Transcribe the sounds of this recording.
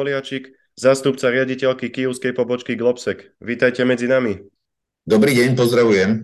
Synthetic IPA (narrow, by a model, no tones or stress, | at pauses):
ɔlɪat͡ʃik | zaːst̪upt͡saɾɪaɟicɛlkikijuʊskɛjpɔbɔt͡ʃkiɡlɔpsɛk | ʋiːt̪ajcɛmɛd͡zinami | d̪ɔbɾiːɟɛɲpɔzd̪ɾaʋujɛm